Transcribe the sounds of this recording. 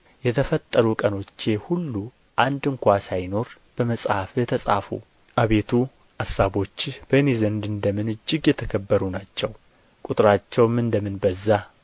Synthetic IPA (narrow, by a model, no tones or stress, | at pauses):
jɛt̪ʰəfət̪ʼːəɾukʼəno̞t͡ʃːehulːu | ʔand̪ɨŋkʷasajno̞ɾ | b̥əməsʼhafjɛt̪ʰəsʼa̰fṵ | ʔaβe̞t̪ʰu | asːaβo̞t͡ʃːbənezənd̪ɨnd̪əmɨnɨd͡ʒːɪɡjɛt̪ʰəkʰəbːəɾunat͡ʃːɛw | kʼut̪ʼɾat͡ʃːɛwmɨnd̪əmɨnbəzːa